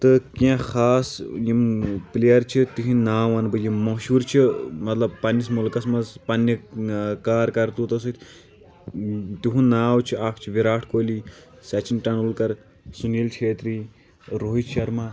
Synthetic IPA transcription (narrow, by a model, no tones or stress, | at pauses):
t̪ɨkʲãxaːsjimplejɐɾt͡ʃʰit̪iɦĩnaːʋɐnbɨjimːɐʃuːɾt͡ʃʰimɐt̪lɐb̚pɐnːismulkɐsmɐzpɐnːɐkaːɾkɐɾt̪ut̪ɐs̬ɨt̪ʰʲ | t̪iɦũnaːwt͡ʃʰiaːkʰt͡ʃʰiʋiɾaːʈʰkoːli | sɐt͡ʃinʈɐnulkɐɾ | sunilt͡ʃʰeːt̪ɾiː | ɾoːɦiʃʰɐɾmãː